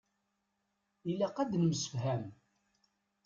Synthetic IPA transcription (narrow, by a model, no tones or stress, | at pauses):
ilːæqæd̪nəməsə̥fɦæm